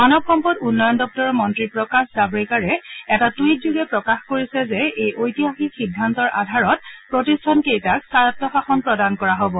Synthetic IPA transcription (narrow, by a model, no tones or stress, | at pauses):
manɔbxɔmpɔdunːɔjɔndɔk̚tɔɹɔmɔntɹipɹɔkaszabɹikaɹɛɛtatujt̚zuɡɛpɹɔkaxkoɹisɛzɛejʔojtiɦaxixidʱːantɔɹʔa̰dʱaɹɔt̚pɹotistʰankejtak̚saɹt̚tɔxaxɔnpɹɔdankɔɹaɦobɔ